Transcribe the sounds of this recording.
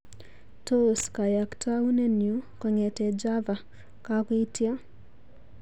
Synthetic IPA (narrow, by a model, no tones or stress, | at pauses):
toskajaktʰaunɛnjukɔɲɛtɛd͡ʒava | kakitia